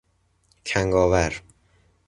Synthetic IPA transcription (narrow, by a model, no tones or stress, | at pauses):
kʰæŋɡɒːvæɾ